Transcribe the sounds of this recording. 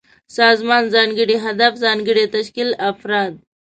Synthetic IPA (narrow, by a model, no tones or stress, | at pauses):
saːzmaːnzaːnɡiɽiɦɐd̪əfzaːŋɡiɽet̪ɐʃkilɐfɾaːd̪̚